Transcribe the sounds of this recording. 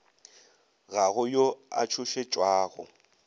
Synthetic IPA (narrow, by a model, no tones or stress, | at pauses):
ɣaɣʊjoa̰t͡ʃʰʊʃet͡ʃʼwaːɣʊ̰